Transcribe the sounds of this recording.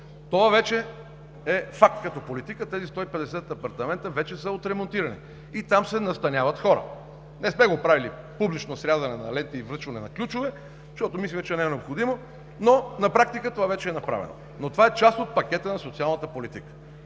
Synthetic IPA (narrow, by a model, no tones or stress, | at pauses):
t̪ovavɛt͡ʃɛ | ɛfak̚t̪kɐt̪ɔpolit̪ikət̪ɛzist̪ɔipɛd̪ɛsɛt̪̚d̪ɛpɐɾt̪ɐmɛnt̪əvɛt͡ʃɛsəot̪ɾɛmont̪iɾɐnḭ | it̪amsɛnɐst̪ɐnʲjavɐt̪xɔɾə̰ | nɛsmɛɡopɾavili | publit͡ʃnosɾʲazɐnɛnɐ̰lɛnt̪əivɾɤt͡ʃvɐnɛnɐklʲut͡ʃovɛ | ʃt̪ɔt̪omislʲɛt͡ʃɛnɛnɛopxod̪imo | nonɐpɾak̚t̪ikət̪ovavɛt͡ʃɛɛnɐpɾa̰vɛ̰no̰ | not̪ovaɛt͡ʃast̪ot̪̚pɐkʲɛt̪ənɐsot̪sialˠnət̪əpolit̪ikə̥